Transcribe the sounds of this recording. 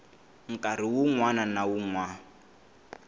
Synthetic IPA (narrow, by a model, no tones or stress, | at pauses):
ŋ̩kʼar̤iwuŋwananawuŋwa